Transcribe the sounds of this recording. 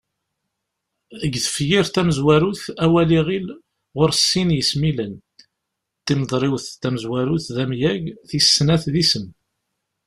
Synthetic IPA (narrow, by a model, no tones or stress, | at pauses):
əɡθəfjiɾθæməzwæɾuθæwæliʁil | ʁʊɾsːinjəsmilən | t̪ːiməðˤɾˤiwθt̪ːæməzwæɾuθðæmjæʝθisːnæθðisəm